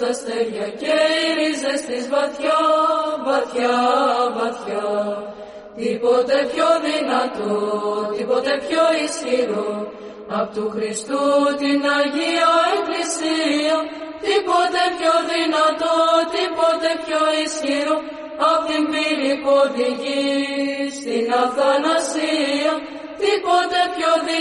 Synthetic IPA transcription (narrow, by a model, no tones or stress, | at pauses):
ɐst̪elʝɐceiɾizest̪izvɐθçɐvɐθçɐvɐθçɐ | t̪ipot̪e̞pçoðinɐt̪ot̪ipot̪e̞pçoisçiɾo | ɐpot̪uxɾist̪ut̪inɐʝiɐeklisiɐt̪ipo̞t̪e̞pçoðinɐt̪ot̪ipo̞t̪e̞pçoisçiɾo | ɐpt̪imbiɾipo̞ðiʝi | st̪inɐθɐnɐsiɐ | t̪ipo̞t̪e̞pço̞ð